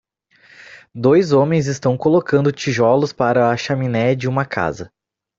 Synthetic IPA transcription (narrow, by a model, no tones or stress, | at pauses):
d̪ojzõmẽj̃zɪst̪ɐ̃w̃kolokɐ̃nd̪ʊt͡ʃiʒɔlʊspaɾɐɐʃaminɛd͡ʒɪũmɐkʰa̰zɐ